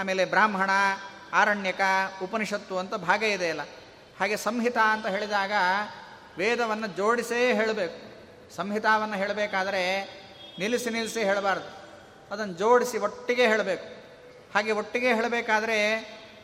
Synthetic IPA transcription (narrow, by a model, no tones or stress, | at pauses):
aːme̞ːlebɾaːmɦɐɳɐ | aːɾɐɳjɐkɐupɐniʂɐt̪ʋuɐnt̪ɐbʱaːɡɐid̪eɐlːɐ | haːɡe̞sɐmɦit̪aɐnt̪ɐɦe̞ːɭid̪aːɡɐ | ʋeːd̪ɐʋɐnːɐd͡ʒoːɽiseɦeːɭbeːku̥ | sɐmɦit̪aːʋɐnːɐɦeːɭbeːkaːd̪ɐɾe̞ | nilisinilisiɦeːɭbaːɾd̪u | ɐd̪ɐnːɐd͡ʒoːɽisioʈːiɡe̞ɦeːɭbeːku̥ | haːɡe̞oʈːiɡe̞ɦeːɭbeːkaːd̪ɐɾe̞